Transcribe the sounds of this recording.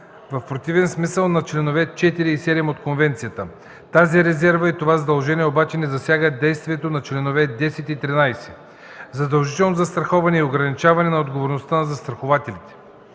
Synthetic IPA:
vɐfpɾot̪ivɛnsmisəlˠnɐt͡ʃlɛnovɛt͡ʃɛt̪iɾiːsɛd̪ɛmot̪konvɛnt̪sijət̪ə | t̪aziɾɛzɛɾvəit̪ovazɐd̪ɐlˠʒɛniɛobat͡ʃɛnɛzɐsʲjaɡəd̪ɛjst̪viɛt̪onɐt͡ʃlɛnovɛd̪ɛsɛt̪it̪ɾinajsɛ̥ | zɐd̪ɐlˠʒit̪ɛlˠnozɐst̪ɾɐxɔvɐnɛioɡɾɐnit͡ʃavɐnɛnɐod̪ɡovoɾnost̪anɐzɐst̪ɾɐxovat̪ɛlit̪ɛ̥

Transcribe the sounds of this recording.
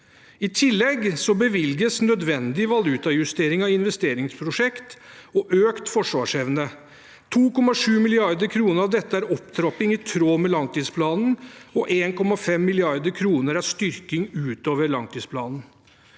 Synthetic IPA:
ɪt̪ʰɪlːɛɡsɔbəʋɪlɡəsnœd̪ʋɛnd̪ɪʋɑlʉːt̪ɑjʉst̪eːɾɪŋɑɪnʋɛst̪eːɾɪŋspʰɾʊʂɛkt̪ɔʔøːkt̪fɔʂʋɑːʂɛʋnə | t̪ʰuːkɔmːɑʂʉːmɪlɪɑɾd̪əɾkʰɾuːnəɾɑʋd̪ɛt̪ːəæɾɔpt̪ʰɾɔpɪŋɪt̪ʰɾoːmɛlɑŋt̪iːspʰlɑːnn̩ɔʔeːnkʰɔmɑfɛmːɪlɪɑɾd̪əɾkʰɾuːnəɾɑʂt̪ʏɾkɪŋʉːt̪oːʋəɾɭɑŋt̪ʰiːspʰlɑːnn̩

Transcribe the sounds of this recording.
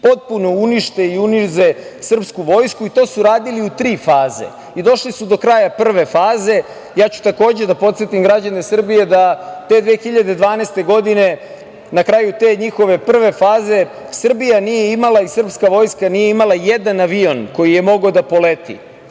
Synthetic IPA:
po̞t̪̚punouniʃt̪eiunizesr̩pskuʋo̞ːjskuit̪o̞ːsuɾaːd̪iliut̪ɾiːfaːze̞̰ | id̪o̞ʃlisud̪o̞kɾaːjapr̩ʋe̞faːze̞ | jaːt͡ɕu̥t̪ako̞ːd͡ʑed̪apot̪set̪imɡɾad͡ʑane̞sr̩bije̞d̪at̪e̞d̪ʋexiʎad̪e̞d̪ʋaːnest̪e̞ɡo̞d̪ine̞ | nakɾaːjut̪e̞ːɲixo̞ʋe̞pr̩ʋe̞faːze̞ | sr̩bijanijeimalaisr̩pskaʋo̞ːjskanijeimalˠajed̪anaʋio̞nko̞jije̞mo̞ɡad̪apo̞let̪ḭ

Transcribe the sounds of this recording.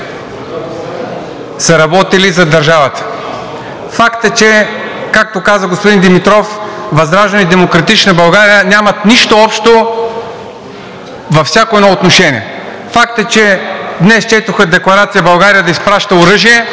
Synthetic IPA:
sɐɾɐbɔt̪ilizɐd̪ɐɾʒavɐt̪ə̥ | fakt̪ət͡ʃɛ | kak̚t̪okazəɡospʊd̪ind̪imit̪ɾɔfvɐzɾaʒnid̪ɛmokɾɐt̪it͡ʃnɐbɐlˠɡaɾijənʲamɐt̪niʃt̪oɔpʃt̪o | vɐfsʲakoɛd̪ɔot̪noʃɛnʲḭɛ | fak̚t̪ət͡ʃɛd̪nɛst͡ʃɛt̪oxəd̪ɛklˠɐɾat̪sijəbɐlˠɡaɾijəd̪ɐispɾaʃt̪əoʊɾɤʒiɛ

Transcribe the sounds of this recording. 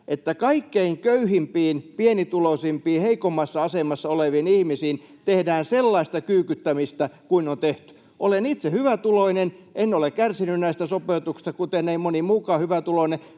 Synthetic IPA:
ʔet̪ːækɑikːeiŋkøyhimpiːnpienit̪ulosimpiːheikomːɑsːɑɑsemˑɑsːɑoleʋiːnihmisiːnt̪ehdæːnselːɑist̪ɑkyːkyt̪ːæmist̪ækuinont̪eht̪y̥ | ʔolenit̪sehyʋæt̪uloinenʔenːolekkærsinynnæist̪æsopeut̪uksi̥st̪ɑkut̪eneimonimuːkɑːhyʋæt̪uloine

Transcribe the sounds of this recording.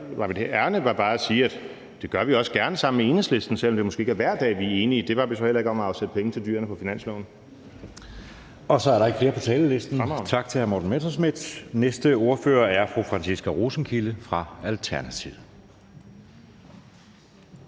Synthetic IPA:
ʋɑ̈med̥æɐnəʋɑ̈b̥ɑ̈ːæsiːæd̥ | d̥e̝ɡ̥ɶɐʋiɒ̽səɡ̥æɐnəsɑ̈m̰n̩mee̝nəsle̝sd̥n̩sel̰ɒmd̥e̝mɔsɡ̥e̝ːe̝ɡæɐʋæɐ̰d̥ɛ̰ːʋiæe̝ːnid̥e̝ʋɑ̈ʋisɒ̽hel̰ɐe̝ɡ̥ɒ̽mæɑ̈ʊsed̥əpʰeŋət͡sʰe̝ldy̰ːɐnəpʰɒ̽finæn̰sloʊ̰n | ɒ̽sɒ̽æɐɾɑ̈eɡ̥fle̝ːɐpʰɒt͡sʰɛ̰ːləle̝sd̥n̩mt͡sʰɑ̈ɡ̥̚t͡sʰe̝hæɐmo̰dn̩met͡sʰosmid̥nesd̥əo̝ɐfø̰ːɐæɐfʁufʁɑnsisɡ̥æʁoːsn̩kʰiləfʁɑ̈ælt͡sʰæɐnæt͡sʰið̩ˠ

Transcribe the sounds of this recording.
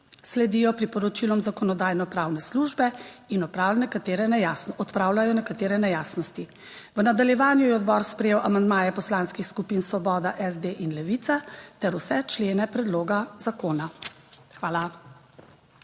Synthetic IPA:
slɛd̪iːjɔpɾipɔɾɔt͡ʃilɔmzakɔnɔd̪aːjnɔpɾaːwnɛsluʒbɛinɔpɾaːwlnɛkat̪eːɾɛnɛjasnɔɔt̪pɾaːwlajɔnɛkat̪eːɾɛnɛjaːsnɔst̪i | ʋənad̪aljɛʋaːnjujɛɔd̪bɔːɾspɾɛjeːwʔamand̪maːjɛpɔslanskixskupinsʋɔbɔːd̪aʔɛzd̪eʔinlɛʋit̪sat̪ɛɾusɛt͡ʃleːnɛpɾɛd̪loːɡazakoːna | xʋaːla

